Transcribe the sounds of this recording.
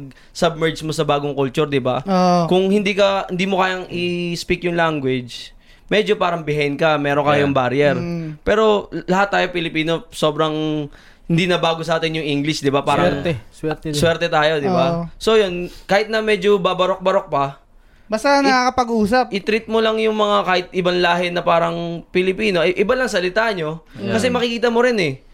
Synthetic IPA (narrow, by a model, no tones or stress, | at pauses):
ɡ̚ | sɐb̚mɛɹd͡ʒmosɐbaːɡoŋkʊlt͡ʃuɾd̪ɪbaokʊŋhɪnd̪iːkɐhɪnd̪iːmokaːjɐŋɪspikjʊŋlaŋɡwɪd͡ʒ | mɛd͡ʒo̞paːɾɐŋbɪhaɪnkɐmɛːɾoŋkɐjoŋbaɾjɛɾpɛːɾo̞lɐhat̪ːaːjopɪlɪpiːno̞so̞ːbɾɐŋ | hɪnd̪inɐbaːɡosɐʔaːt̪ɪnjʊŋʔiŋɡlɪʃd̪ɪbapaːɾɐɾɛwɛt̪swɛːɾt̪ɛt̪aːjo̞d̪ɪbaso̞jo̞nkaːhɪt̪nɐmɛd͡ʒobabɐɾo̞k̚bɐɾo̞k̚pɐ | bast̪anɐkakɐpɐɡuːsɐpʔɪt̪ɾɪt̪̚molɐŋjʊŋmɐŋakaːhɪt̪̚ʔɪbɐnlaːɦɛnɐpaːɾɐŋpɪlɪpiːno̞ʔʔɪbalɐŋsɐlɪt̪aːʔɲo̞kɐs̬ɛmɐkɪkiːt̪ɐmoɾɪnɛ